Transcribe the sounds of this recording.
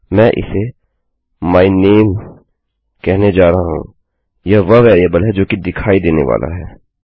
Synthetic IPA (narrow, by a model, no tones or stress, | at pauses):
mɛ̃ːʔɪ̰se | maːineːm | kɛɦned͡ʒaːɾɐɦaɦṵ̃ | jaʋɐʋɛːɾiəbəlɦɛd͡ʒoːkid̪ɪkʰaːid̪eːnḛʋa̰ːla̰ɦɛː